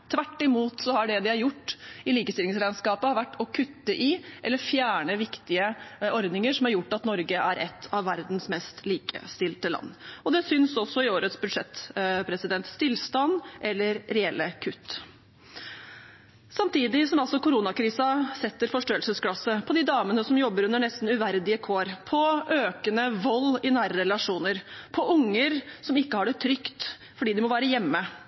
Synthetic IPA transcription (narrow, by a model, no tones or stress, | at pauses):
t̪ʰʋæʈːɪmuːt̪sɔhɑɖɛd̪ɪæɾjʊʈːɪliːkəst̪ɪlɪŋsɾæɪnskɑːpəɑɾʋæʈːɔkʰʉt̪ːəʔɪʔɛlːəɾfjæːɳəʋɪkt̪ɪəɔɾd̪nɪŋəʂɔmæɾjʊʈːɑt̪nɔɾɡəæɾʔɛ̰t̪ʰːɑʋːæɾd̪n̩smɛst̪liːkʰə̰st̪ɪlt̪əlɑ̰nːɔd̪ɛsʏnsɔsːɔɪoːɾət̪sbʉd̪ʂɛt̪pʰɾɛsɪd̪ɛnt̪st̪ɪlst̪ɑnːʔɛlːəɾɾɛɛlːəkʰʉt̪ː | sɑmt̪ʰiːd̪ɪsɔmɑlsɔkʊɾuːnɑkʰɾiːsɑsɛt̪ːəɾfɔʂʈoːəlsəsklɑsəpʰɔd̪ɪd̪ɑːmənəsɔmjɔbːəɾʉnəɳɛst̪n̩ʉʋæɾd̪ɪəkʰoːɾpʰɔʔøːkənəʋɔlːɪnæːɾəɾɛlɑʂuːnəɾpʰɔʔʊŋːəɾsɔmɪkːəhɑɖɛt̪ʰɾʏkt̪ | fɔɖiːd̪ɪmɔʋæːɾəjɛmːə